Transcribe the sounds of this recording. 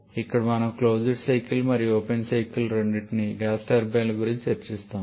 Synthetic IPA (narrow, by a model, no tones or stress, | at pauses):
ikːɐɽɐmɐnɐmkloːd͡ʒiɖsɐjkilmɐɾijoːpensɐjkilɾeɳɖiʈniɡaːsʈɐɾbeːlɐɡuɾiɲt͡ʃieɾt͡ʃist̪aːm